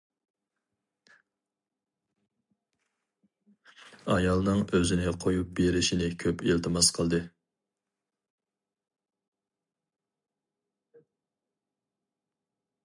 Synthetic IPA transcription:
ɑjɑlˠnɨŋøzɪnɪqʰojup̚beɾɪʃinɪkʲʰøpilt̪ʰɨmɑsqʰəlˠd̪ɨ

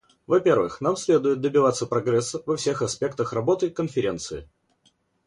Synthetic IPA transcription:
vɐpʲe̞rvɨxnamsʲlʲe̞d̪ʊjɪt̪̚d̪əbʲɪvat̪sːəpɾɐɡɾɛsːəvɐfsʲe̞xɐspʲe̞k̚t̪əxrɐbo̞t̪ɨkənfʲɪɾʲe̞nt̪sɨɪ

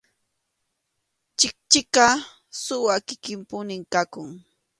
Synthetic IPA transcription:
t͡ʃɪk̚t͡ʃɪkɑ | sʊwakɪkɪmpʊnɪŋkakʊŋ

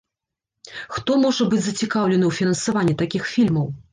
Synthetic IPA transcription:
xt̪ɔmɔʐɐbɨd͡zʲzɐt͡sʲikawlʲɛnɨwfʲinɐnsavanʲːit̪akʲixfʲilʲmɐw

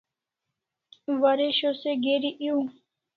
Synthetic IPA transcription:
ʋaɾeɕoseɡeːɾiʔiu

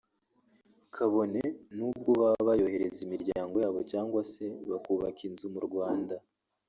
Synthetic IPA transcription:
kʰaβo̞ne̞nuːb̚ɡoβaβajo̞he̞ɾe̞zimiɾɟaːŋɡo̞jaːβo̞caːŋɡwase̞βakuːβakinzumuɾɡwaːnda

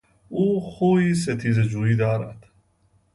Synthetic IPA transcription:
uːxuːiːs̬et̪ʰiːzed͡ʒuːiːd̪ɒːɾæ̰d̪̥

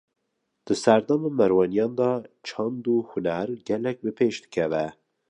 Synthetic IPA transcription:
d̪̥ɨsæɾd̪ɑmɑmɛɾwɑnijɑːnd̪ɑt͡ʃʰɑnd̪uhʊnæɾɡɛlɛk̚bɨpʰeːʃd̪ɨ̥kʰɛvɛ

